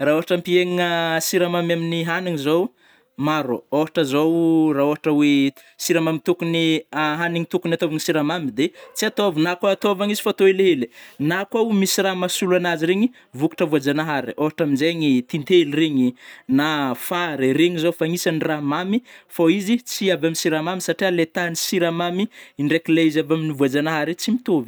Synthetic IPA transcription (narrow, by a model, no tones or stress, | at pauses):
raoɦaʈ͡ʂampieŋəsiɾamamaminiɦaniŋizow | maɾo̰oɦaʈ͡ʂəzowraoɦaʈ͡ʂəwe | siɾamamit̪ukuniaɦaniŋit̪ukunat̪oviŋisiɾamamid̪et͡siat̪ovunakaat̪ovaŋizi̥fat̪oeleeli̥nakwawmisiramasuluanaziɾeɲi | vuku̥ʈ͡ʂəvuad͡ʒanaɦaɾḭoɦaʈ͡ʂaminzeɲit̪int̪elreɲinafaɾiɾeŋizofaŋisaniramamifoizit͡siavaminsiɾamamisaʈ͡ʂialet̪anisiɾamamiiɳɖ͡ʐekileizavaminivuad͡ʒanaɦaɾet͡simit̪ovi̥